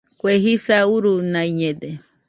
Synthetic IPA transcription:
kʷeɦisauɾunãiɲẽd̪e

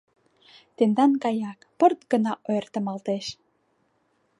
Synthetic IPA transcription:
t̪end̪ɑnkɑjɑkpə̆rt̪̚ɡə̆nɑʔojert̪ə̆mɑlt̪eʃ

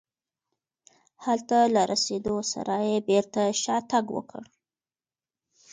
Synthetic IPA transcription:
halt̪alaɾʔased̪osa̰ɾajebeɾt̪aʃɑt̪aɡwə̰kʰə̰ɽ

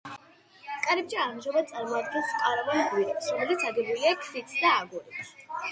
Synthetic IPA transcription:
kʼaɾɛb̚d͡ʒaanʒɔbad̪t̪sʼaɾmɔad̪ɡɛnskʼaɾavanɡwiɾɛpsɾɔmɛlit̪sʰaɡɛbuliakʰfit̪ʰd̪aːɡɔɾit

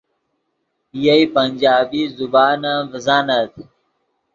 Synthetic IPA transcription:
ijɐipɐnʲd͡ʑaːbiːzubaːnavɐzaːnɐt̪ʰ

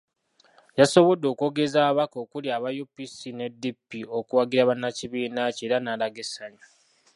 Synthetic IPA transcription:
jaso̞βo̞dːo̞ːkuo̞ːɡe̞zaːβako̞ːkuljaːβajopisine̞dːipːio̞kuwaɡiɾaβanːaciβiːnace̞ːɾanaːlaɡesaɲo

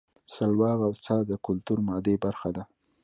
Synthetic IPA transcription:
salwɑɣawt͡sɑd̪əkʊlt̪uɾmɑd̪ebaɾxad̪a

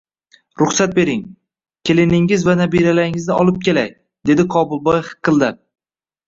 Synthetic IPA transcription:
ɾʊχsat̪̚be̞ɾɪŋ | kʲʰe̞lɪnɪŋɪzvanabiɾalaɾɪŋɪznɪɒlˠɪp̚kʲe̞laj | d̪e̞d̪ɪqʰɒbʊlˠbɒjhɨ̥qʰːɨlˠd̪aɾ

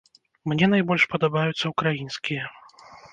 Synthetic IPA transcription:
mnʲɛnajbɔlʲʂpɐd̪abajut̪sːɐukɾajinskʲijɛ

